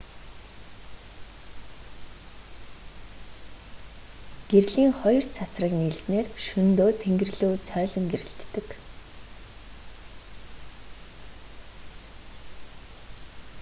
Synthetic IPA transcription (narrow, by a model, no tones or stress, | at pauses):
ɡ̥erɮiːŋχɔjɞ̆r̥t͡sʰat͡srə̆kniɮsneːrʃɵnt̪oːt̪ʰeŋɡɘ̆rɮuːt͡sʰœːɮɞ̆ŋɡeɾɘ̆ɬt̪ːɘ̆k